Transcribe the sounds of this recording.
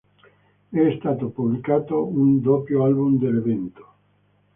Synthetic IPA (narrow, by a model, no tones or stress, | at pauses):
ɛst̪aːt̪opublikaːt̪ound̪opjoalbumd̪elevɛnt̪o̥